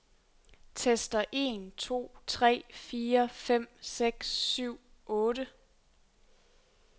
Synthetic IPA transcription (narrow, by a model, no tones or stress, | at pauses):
t͡sʰesd̥ɐʔe̝̰nt͡sʰo̝̰ːt͡sʰʁɛ̰ːfiːɐfem̰seɡ̥sːyʊ̰ʔɔ̽ːɾə